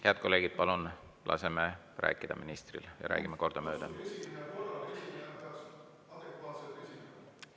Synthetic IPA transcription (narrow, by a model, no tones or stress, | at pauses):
heæt̪̚ko̞lːe̞ːɡid̪̥̚pɑlun | lʔɑ̰se̞me | ræ̰ːkːˑid̪̥ɑminist̪rḭljɑ̰ɾæ̰ːɡ̥imeko̞rd̪̥ɑmø̞ːd̪̥ɑ | ɑd̪̥ekʋɑːt̪sesi